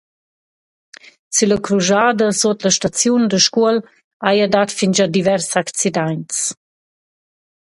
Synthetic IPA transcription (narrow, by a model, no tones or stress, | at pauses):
syləkɾuʒad̪əsot̪ləʃtat͡sjund̪əʃkuəl | ajadat̪find͡ʒad̪ivɛɾsakt͡sid̪ajnt͡s